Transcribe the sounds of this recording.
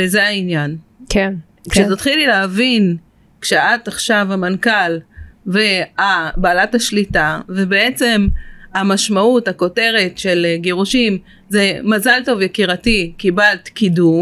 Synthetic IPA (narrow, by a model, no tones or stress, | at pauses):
ezeainjanken | kʃet̪ot̪χilileavin | kʃeataχʃavamankalveabaːlathaʃlitavebeet͡se̞mamaʃmauthako̞te̞ʁe̞tʃe̞lɡeʁuʃim | ze̞mazalto̞vjekiʁatikibalt̪kidu